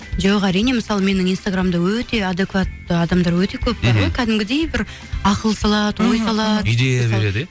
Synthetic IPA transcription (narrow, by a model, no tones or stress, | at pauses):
ʒɑwɑqæɾijne̞məsɑlˠəme̞nɪŋijnst̪aɡramd̪ɑwɵt̪e̞ad̪e̞kvat̪ːəɑd̪ɑmd̪ɑɾwɵt̪e̞kʲʰɵp̚bɑɾʁojkʲʰæd̪ɪmɡʲɪd̪e̞jbɪɾ | ɑqəlˠəsɑlˠɑt̪wo̞jsɑlˠɑt̪d̪eed̪